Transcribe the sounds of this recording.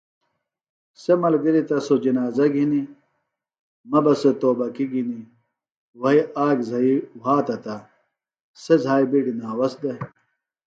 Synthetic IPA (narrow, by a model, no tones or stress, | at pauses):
semɐlɡiɾit̪ɐsod͡ʑinaːzɐɡʱini | mɐbɐsɐt̪oːbɐkiɡʱini | wɐiaːɡzʱɐiwaːt̪ɐt̪a | sezʱaːibiɽinaːwɐsd̪ɐ